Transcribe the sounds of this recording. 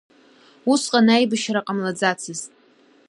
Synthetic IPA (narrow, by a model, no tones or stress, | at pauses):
usqʼanajbɨʃɾaqʼamlad͡zat͡sʰɨztʼ